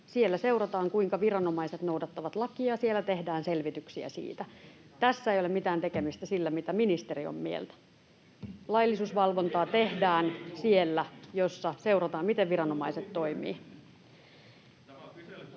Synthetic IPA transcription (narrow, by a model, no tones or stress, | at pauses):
sielːæseurɑt̪ɑːŋkuiŋkɑʋirɑno̞mɑiset̪nouwdɑt̪ːɑʋɑt̪lɑkiɑsielːæt̪e̞hdæːnselʋit̪yksiæ̰sḭːt̪æ | t̪æsːæejolemit̪æːnt̪ekemist̪æsilːæmit̪æminist̪eɾio̰mːiḛlt̪æ̥ | lɑjlːisuːsʋɑlʋo̞nt̪ɑːt̪ehdæːnsielːæjosːɑse̞urɑt̪ɑːmmit̪eʋʋiɾɑno̞mɑiset̪to̞imḭː